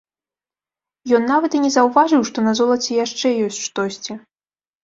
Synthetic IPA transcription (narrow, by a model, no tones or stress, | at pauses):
jɔnːavɐt̪inʲɛzɐwvaʐɨwʂt̪ɔnɐzɔlˠɐt͡sʲɛjaʂt͡ʂɛjɔsʲʂt̪ɔsʲt͡sʲi